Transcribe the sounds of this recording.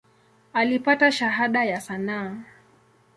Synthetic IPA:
alipataʃaɦaɗajasanaː

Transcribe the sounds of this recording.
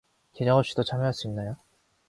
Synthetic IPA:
ked͡ʑʌŋɦʌp̚ɕ͈i̥dot͡ɕʰamjoɦas͈uinːajo

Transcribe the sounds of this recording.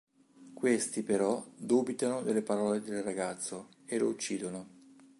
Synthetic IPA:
kwest̪ipeɾɔd̪uːbit̪anod̪elːepaɾɔːled̪elraɡat̪sːo | elout͡ʃːiːd̪ono

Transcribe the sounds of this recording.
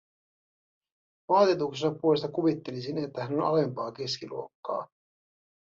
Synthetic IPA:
ʋɑːt̪it̪uksenɑpuo̞lest̪ɑkuʋit̪ːe̞lisine̞t̪ːæhæno̞nɑ̰le̞mpɑːke̞skilṵo̞kːɑ̰ː

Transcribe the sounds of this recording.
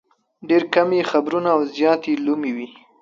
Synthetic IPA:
ɖeɾkamexabɾunaːwzjɑt̪elumiwi

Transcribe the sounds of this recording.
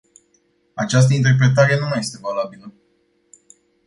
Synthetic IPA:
at͡ʃas̬t̪əint̪̬e̞rp̬ɾe̞t̪aɾenumaje̞st̪e̞valabilə

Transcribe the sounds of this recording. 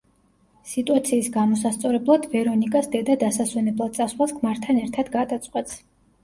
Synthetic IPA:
sit̪ʼuat̪sʰiːsɡamɔsast̪sʼɔɾɛblˠad̪vɛɾɔnikʼasd̪ɛd̪ad̪asaswɛnɛblˠad̪̥̚t̪sʼaswlaskʰmaɾt̪ʰanɛɾt̪ʰad̪ɡad̪at̪sʼqʼwɛt̪s

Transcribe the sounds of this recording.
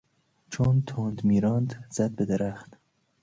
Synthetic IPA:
t͡ʃʰunt̪ʰond̪miːɾɑnd̪z̥ad̪̚bəd̪əɾaxt̪

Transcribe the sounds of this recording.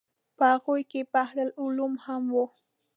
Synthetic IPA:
pɑɢʊjkɪpɑχɾalʊlʊmhamwo

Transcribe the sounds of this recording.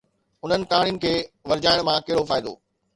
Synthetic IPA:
ʊn̤ənɪ̆kaːɽijʊnɪ̆kʰeːʋɐɾd͡ʑaːɪɽ̃mãkeɦɽofaːɪd̪o̰ː

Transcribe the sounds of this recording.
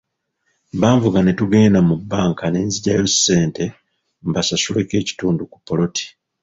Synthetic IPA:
baːɱvuɡane̞tuɡe̞ːnamubːaːŋkane̞ːnziɟajo̞se̞ːnte̞ | mbasasuleke̞ːci̥tuːnduku̥pːo̞lo̞ti̥

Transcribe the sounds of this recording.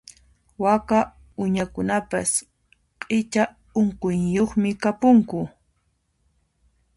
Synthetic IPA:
waka | ʊɲakʊnapas | qʼɪt͡ʃa | ʊɴqʊjjoχmɪkapʊŋkʊ

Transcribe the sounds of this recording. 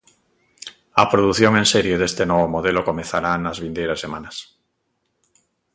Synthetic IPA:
apɾoðuθjoŋenseɾjoðest̪enoβomoð̞elokomẽθaɾanazβind̪ejɾasːemanas

